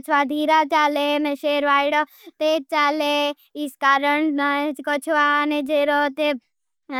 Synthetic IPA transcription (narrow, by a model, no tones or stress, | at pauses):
t͡ʃʰʋad̪ʱiːɾat͡ʃaːlemẽʃeːɾʋaːiɽɔ | t̪et͡ʃaːle | iskaːɾəɳkɔt͡ʃʰʋaned͡ʒeɾot̪e